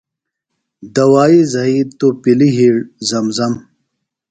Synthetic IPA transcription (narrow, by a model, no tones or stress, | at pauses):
d̪ɐwaːizɐit̪opiliɦiɽzɐmzɐm